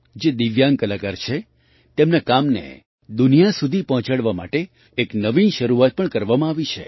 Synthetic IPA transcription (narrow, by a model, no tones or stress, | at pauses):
d͡ʒed̪iʋjaŋkəlakaɾt͡ʃʰe | t̪emnakamnḛ | d̪unijasud̪ʱipɔɦɔ̃t͡ʃaɭʋama̰ʈe | eknəʋinʃəɾuat̪̚pəɳkəɾʋamãaʋit͡ʃʰḛ